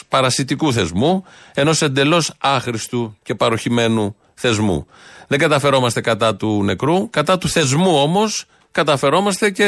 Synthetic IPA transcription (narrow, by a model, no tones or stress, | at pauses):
pɐɾɐsit̪ikuθe̞zmu | e̞no̞se̞nd̪e̞lo̞sɐxɾist̪uce̞pɐɾo̞çime̞nu | θe̞zmṵ | ðe̞ŋɡɐt̪ɐfe̞ɾo̞mɐst̪e̞kɐt̪ɐt̪une̞kɾukɐt̪ɐt̪uθe̞zmuo̞mo̞s | kɐt̪ɐfe̞ɾo̞mɐst̪e̞ce̞